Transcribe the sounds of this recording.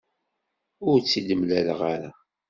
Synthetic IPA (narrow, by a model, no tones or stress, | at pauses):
ʊɾt͡sːid̪əmlæləʁaɾa